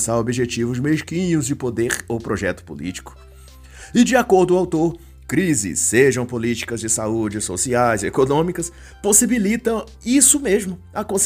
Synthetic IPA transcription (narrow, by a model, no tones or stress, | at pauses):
saɾobiʒet͡ʃivʊzmeʃkĩɲʊzd͡ʒɪpod̪eɾowpɾoʒɛt̪ʊ̥pṵlḭt͡ʃi̥kʊ̥ | ɪd͡ʒɪakoɾd̪ʊawt̪oɾ | kɾizɪ̰sːeʒɐ̃w̃polit͡ʃi̥kɐzd͡ʒɪsaud͡ʒɪso̰siajzekonõmikɐs | posibilit̪ɐ̃w̃ | isʊmezmʊ | ɐkõs